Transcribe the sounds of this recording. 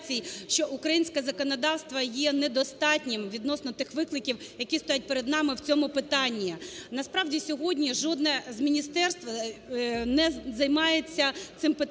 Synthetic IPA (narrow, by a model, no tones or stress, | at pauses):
t͡sʲijʃt͡ʃɔʔukɾɐjinʲsʲkɛzɐkɔnɔd̪ɑwst̪ʋɐjɛnɛd̪ɔst̪ɑtʲnʲɪmʋʲid̪nɔsnɔt̪ɪxʋɪklˠɪkʲiw | jɐkʲist̪ɔjat̚ʲpeɾed̪nɑmɪwt͡sʲɔmʊpɪt̪ɑnʲːinɐspɾɑwdʲisʲɔɦɔdʲnʲiʒɔd̪nɛzmʲinʲist̪ɛrst̪ʋɐ | nɛzɐjmɑjet͡sʲːɐt̪ɪmpɪ